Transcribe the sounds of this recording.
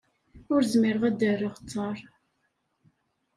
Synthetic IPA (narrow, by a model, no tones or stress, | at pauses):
ʊɾzmɪɾəʁæd̪ərːəʁt͡sˤːɑɾˤ